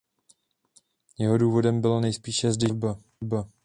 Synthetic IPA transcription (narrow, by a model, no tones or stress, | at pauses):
jɛɦoduːvo̞dɛmbɪlanɛjspiːʃɛzdɪlba | ba